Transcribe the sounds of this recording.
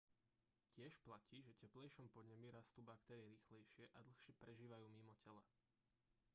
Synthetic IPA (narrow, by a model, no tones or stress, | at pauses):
cɪɛʃplaciːʒɛcɛplɛjʃɔmpɔd̪ɲɛmiɾast̪ubakt̪ɛːɾɪjɛɾiːxlɛjʃɪɛʔad̪l̩xʃɪɛpɾɛʒiːʋajuːmimɔcɛlɛ̰